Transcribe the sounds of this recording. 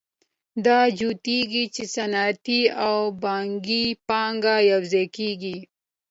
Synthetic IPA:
d̪aːd͡ʒut̪iɡit͡ʃisɐnaːt̪iawbaːŋɡipaːŋɡajawzekiːɡi

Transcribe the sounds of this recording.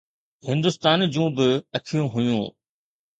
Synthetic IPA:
hɪ̃nd̪ʊst̪aːnd͡ʑũːbɪɐkʰijũɦʊjũː

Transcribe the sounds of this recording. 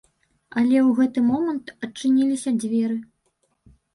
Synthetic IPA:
ɐlʲɛwɣɛt̪ɨmɔmɐnt̪ɐt͡ʂːɨnʲilʲisʲɐd͡zʲvʲɛɾɨ

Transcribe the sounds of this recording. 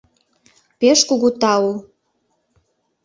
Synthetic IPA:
peʃkuɣut̪ɑu

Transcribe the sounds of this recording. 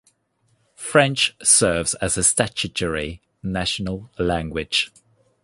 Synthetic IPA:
fɹɛ̃nt͡ʃsɜːvz̥əz̥əstat͡ʃəd͡ʒəɹi | naʃənəlˠlãŋɡwɪd̥ʒ̥

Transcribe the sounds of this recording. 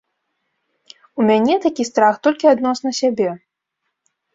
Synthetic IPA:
umʲanʲɛt̪akʲist̪ɾaxt̪ɔlʲkʲiad̪nɔsnɐsʲabʲɛ

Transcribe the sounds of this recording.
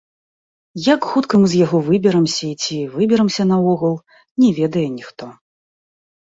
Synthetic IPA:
jakxut̪kɨmzjaɣɔvɨbʲɛɾɐmsʲɐt͡sʲivɨbʲɛɾɐmsʲɐnɐɔɣulˠ | nʲɛvʲɛd̪ɐjɛnʲixt̪ɔ

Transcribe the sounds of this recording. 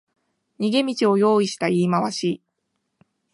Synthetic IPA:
ɲiɡe̞mʲit͡ɕio̞jo̞ːiɕi̥t̪aiːmaβaɕiː

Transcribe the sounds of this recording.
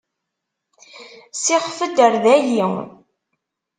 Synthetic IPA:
sɪʁfəd̪əɾðæjiŋ

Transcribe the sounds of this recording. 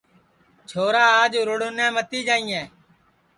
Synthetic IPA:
t͡ʃʰoːɾaːaːd͡ʒɾʊɽʊnɛ̃ːmət̪iːd͡ʒaːĩːɛ̃ː

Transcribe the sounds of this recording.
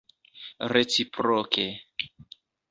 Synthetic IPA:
ret͡sipɾoke

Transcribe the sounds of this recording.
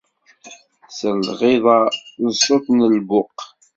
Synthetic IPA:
səlʁeðˤɑnsˤot̪nəlbʊq

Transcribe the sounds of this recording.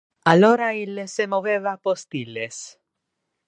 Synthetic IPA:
aloɾailːesemoβeβapost̪iles

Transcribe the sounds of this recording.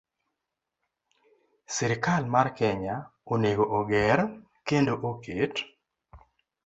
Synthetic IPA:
sɪɾkalmarkɛɲaoneɡoʔoɡɛɾ | kendoʔoket

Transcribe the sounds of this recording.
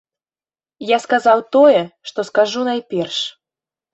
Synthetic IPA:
jaskazawt̪ɔjɛʂt̪ɔskaʐunajpʲɛrʂ

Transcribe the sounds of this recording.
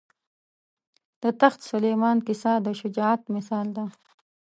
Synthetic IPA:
d̪̥ət̪axt̪sʊleːmɑːnkɪsad̪əʃʊd͡ʒɑːat̪mɪsɑːld̪a

